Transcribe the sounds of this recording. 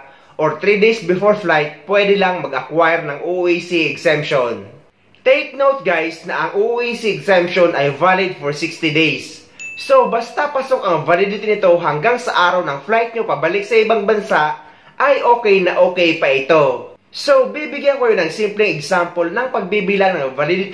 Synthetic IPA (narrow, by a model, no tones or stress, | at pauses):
ʔoɹt̪ɾid̪ejsbɪfoɹflajt̪̚pwɛd̪ɛlɐŋmɐɡʔɐkwajɛɾnɐŋʔuʔisiɛɡsɛmpʃon | t̪ejk̚nowt̪̚ɡajsnɐʔɐŋʔuʔʔisiɛɡsɛmpʃonʔɐjvalɪd̪̚foɹsɪkst̪ɪd̪ejs | so̞bɐst̪apɐsokʔɐŋvalɪd̪ɪt̪ɪnɪt̪o̞ɦɐŋɡaŋsɐʔaːɾɐwnɐŋflajt̪̚ɲopɐbɐlɪk̚sɐɪbaŋbɐnsaʔ | ʔɐjʔoːkɛjnɐʔoːkɛjpɐʔɪt̪o̞ | sobibɪɡjankokɐjonɐŋsimplɛŋɛɡsampolnɐŋpɐɡ̚bibilanɐŋvɐlɪd̪ɪt̪